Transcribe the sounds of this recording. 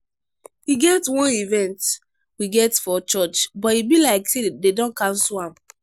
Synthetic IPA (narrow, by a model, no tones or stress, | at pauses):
iɡɛtwɔ̃nivɛ̃nt | wiɡɛtfɔt͡ʃɔt͡ʃbɔtibilaɪksededɔ̃nkãnsulãm